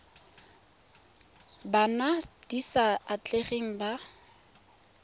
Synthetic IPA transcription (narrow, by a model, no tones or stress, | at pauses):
banad̥isaat͡ɬʼeχeŋ̩ba